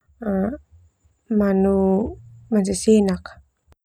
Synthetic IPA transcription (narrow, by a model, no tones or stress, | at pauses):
a | manu | mansesinak